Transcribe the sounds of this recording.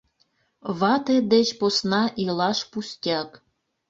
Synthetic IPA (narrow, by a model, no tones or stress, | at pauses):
βɑt̪ed̪et͡ɕposnɑʔilɑʃpusʲtʲɑk